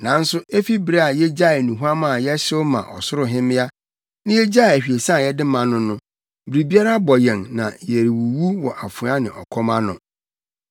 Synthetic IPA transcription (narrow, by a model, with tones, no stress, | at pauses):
nã˨˦n̩˦sʊ˦e˦fi˦bɾe˦a˨jɛ˦d͡ʑa˦ɪ˨nũ˨ɦu˦a˦mã˦˨jɛ˦ɕɪ˦ʊ˦mã̰˨ʔɔ˨sʊ˦ɾʊ˨ɦɪ̃˦mɪ̃˦a˦ | nɪ̃˦jɛ˦d͡ʑa˦˨æ˨hᶣi˨e˨sã˦˨jɛ˦dɪ˦mã˨nʊ̃˦nʊ̃˦ | bɾi˨bi˦a˦ɾa˦bɔ˨jɛ̃˨ŋnã˨je˨ɾi˨wu˨wu˦wɔ˨ʔa˨fʊ̃˨˦a˦nɪ̃˨ʔɔ˨kʰɔ˦mã˦nʊ̰̃˨